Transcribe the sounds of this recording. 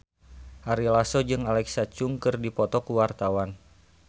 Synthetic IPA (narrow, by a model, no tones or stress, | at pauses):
haɾilasɔd͡ʒɨŋalɛksat͡ʃuŋkɨrdipɔt̪ɔkuwart̪awan